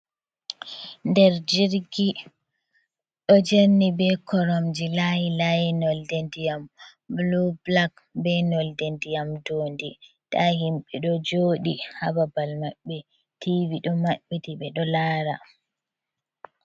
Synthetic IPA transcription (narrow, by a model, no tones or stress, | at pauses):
ndɛɾd͡ʒiɾɡi | ɗɔd͡ʒeɾnibɛkʰɔɾɔmd͡ʒilajilajinɔldɛndijamblublak | bɛnɔldendijamdoːndi | tahimɓɛɗɔd͡ʒoɗihababalmaɓːɛ | tʰiviɗɔmaɓːitiɓɛɗɔlaːɾa̰